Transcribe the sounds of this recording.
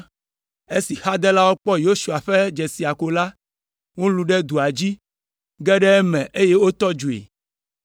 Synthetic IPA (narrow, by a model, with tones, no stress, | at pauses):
e˦si˨xa˦d̪ɛ˦la˦wo˦k͡pɔ˦jo˦ʃu˨a˨ɸɛ˦d͡ʒɛ˨si˨a˨ko˨la˦ | wo˦lu˨ɖɛ˦d̪u˨a˨d͡ʑi˦ | ɡɛ˦ɖɛ˦ɛ˦mɛ̃˨ʔe˦je˦wo˦t̪ɔ˦d͡ʒu˨ḛ˨